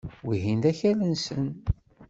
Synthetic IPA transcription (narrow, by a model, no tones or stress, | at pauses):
wiɦind̪æçælənsən